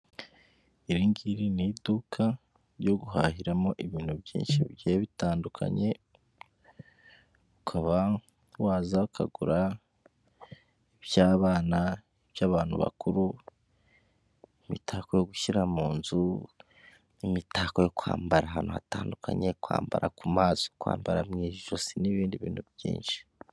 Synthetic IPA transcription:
iɾiŋɡiɾinidukʰa | ɾjo̞ɡuɦa̰ːɦiɾamo̞ʔiβiːn̥hubjḭːnʃiβjeβitaːndukʰa̰ɲe̞ | ukʰaβa | waːzaukʰa̰ɡuɾa | iβjaːβaːna | iβjaːβaːn̥hṵβa̰kuɾu | imḭtʰakojoɡuçiɾamuːnzu | imitaːkojo̞kua̰ːmbaɾaɦanoataːndukʰa̰ɲe̞kwa̰ːmba̰ɾʔa̰kumaːzokwa̰ːmbaɾamŋiːʒosiniβiːndiβḭːnhubjḭːnʃi̥

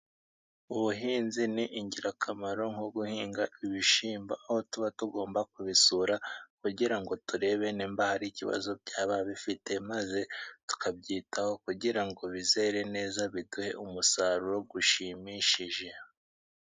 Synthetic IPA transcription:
uβuɦiːnziniʔiɲɟiɾakʰamaɾo̞ŋoɡuhiːŋɡaʔiβiʃiːmbaʔaho̞tuβatuɡo̞ːmbak̚uβisuɾakuɟiɾaŋɡo̞tuɾe̞ːβe̞niːmbahaɾiciβa̰zobɟaːβaβifite̞maze̞tu̥kʰab̚ɟiːtʰaho̞kuɟiɾaŋɡo̞βize̞ːɾe̞ne̞ːzaβiduhe̞̰ʔumusaɾuɾo̞ɡuʃimiʃiʒe̞

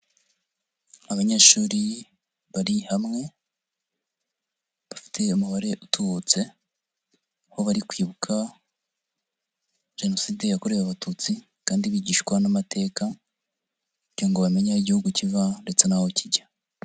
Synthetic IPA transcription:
aβaɲe̞ːʃuːɾi | βaɾihamŋe̞ | βafi̥tʰe̞umuβaɾe̞ʔutuβut͡se̞ | ho̞βaɾikwiːβukʰa | ʒ̥e̞no̞siːde̞jakoɾeβaβatut͡si | kaːndiβiɟiːʃkwanamatʰe̞ːka | uɟiɾoŋɡoβame̞ɲaiɟihuɡucivande̞t͡se̞nahociɟḁ

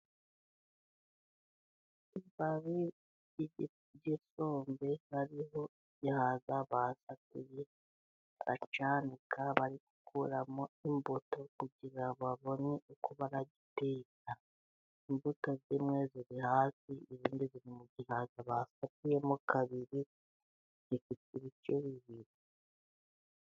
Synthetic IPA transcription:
ibaβi | ɟiso̞ːmbe̞haɾiho̞iɟihaːzaβasakuje | a̰t͡ʃanikaβaɾiku̥kʰuɾamoimbutokuɟiɾaβaβo̞neukuβaɾaɟipeka | imbutazimŋe̞ːziɾihaːsiiziːndiziɾimuɟihazaβasakujemukaβiɾi | zifitiɾicoβiβiɾi

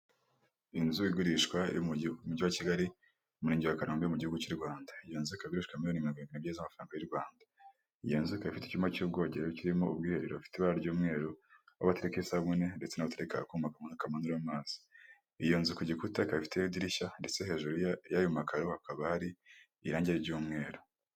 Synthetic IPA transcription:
inzuiɡuɾiʃkwaj̰muɟiwaciɡaɾi | muɾiːɲɟiwakaɾoːmbejomuɟihuɡut͡ʃiɾɡwaːndaijonzukaiɡuɾiʃkwamiijonimiɾoɡiɾiɡinibɟezamafɾaːŋɡajiɾɡwaːnda | ijenzukaifite̥cumacub̚ɡo̞ːɟeɾajociɾimo̞ub̚ɡiːhe̞ɾeɾoβafi̥teβaɾaɾɟuːmŋe̞ːɾoa̰βataɾekeisaβune̞ndet͡senaβataɾekakumakamonakamanduɾamaːz̥i̥ | ijonzukoɟikutakaifi̥tejidiɾiʃande̞t͡se̞he̞ʒuɾjajumakaɾohakaβahaɾiː | ɾaːɲɟeɾiɾɟuːmŋe̞ːɾo

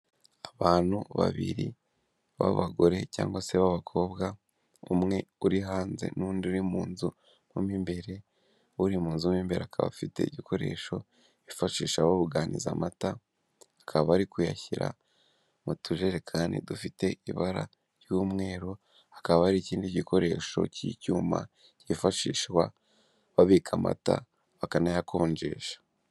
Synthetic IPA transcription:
aβaːn̥huβa̰βḭɾi | βa̰βaɡo̞ɾe̞ca̰ːŋɡwase̞βaβakʰo̞ːbɡa | umŋe̞uɾiɦaːnze̞̰nuːndiuɾimuːnzu | mumiːmbe̞ɾe̞ | uɾimuːnzumiːmbe̞ɾeakʰaβa̰fite̞̰iɟikʰo̞ɾe̞̰ːʃo̞ | ifaʃiːʃaβoβuɡanʔiza̰mataː | kʰaβahaɾikuja̰çiɾa̰ | mutʰuʒe̞ɾekʰaːndḭdufite̞iβaɾa̰ | ɾjuːmŋe̞ːɾo̞ | akaβahaɾiciːndiɟikʰo̞ɾe̞ːʃo̞̰cicuːma̰ | cifaʃiːʃwa | βaβikʰama̰ta̰ | βakanajakʰo̞ːɲd͡ʒe̞̰ːʃḁ

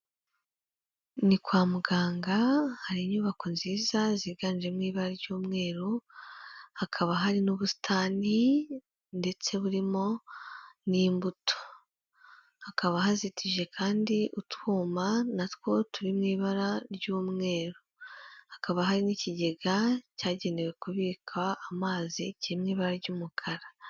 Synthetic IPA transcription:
nikwaːmuɡaːŋɡahaɾiɲuːβako̞nziːzaziɡaːnd͡ʒe̞mŋiːβaɾaɾɟuːmŋe̞ːɾo | hakʰaβaɦaɾinuβusi̥tʰaːni | nde̞t͡se̞βuɾimo̞ | nimbutʰo̥ | hakaβaɦazitʰiʒe̞kʰaːndiʔutwuːmanatwo̞tuɾimŋiːβaɾaɾɟuːmŋe̞ːɾohakaβaɦaɾiniciɟe̞ɡacaːɟe̞newe̞kuβiːkʰaːmaːziciimŋiːβaɾaɾɟuːmukʰaɾḁ

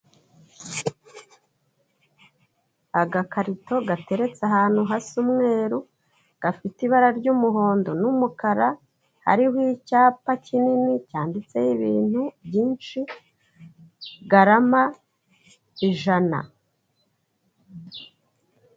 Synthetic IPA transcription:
aɡakaɾito̞ɡate̞ɾe̞t͡saɦaːn̥huɦasumŋe̞ːɾu | ɡ̥afitiβaɾaɾɟuːmuɦo̞ːndo̞numukaɾa | ha̰ɾihwicaːpacininicaːndit͡se̞jiβiːnhubjiːnʃi | ɡaɾama | iʒana̰

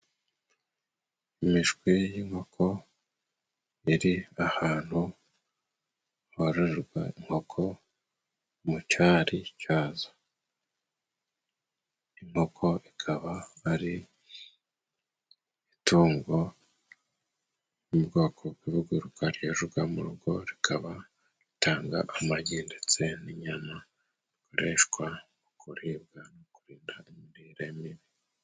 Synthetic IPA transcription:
imiʃɡwijiŋho̞kʰo̞ | iɾiahaːn̥hu | hoɾeɾɾɡwa̰iŋ̥ho̞kʰo̞ | mucaːɾicaːzḁ | iŋ̥ho̞kʰo̞ikʰaβaːɾi | ituːŋɡo̞ | umubɡo̞ːkʰo̞ɡwiβuɡuɾukaɾjeʒuɡamuɾuɡo̞ɾikʰaβa | ɾitaːŋɡa̰ʔamaɟiːndet͡seniɲana | ikoɾeʃkwa | ukʰuɾibɡanokuɾiːndaimiɾiːɾemiβi

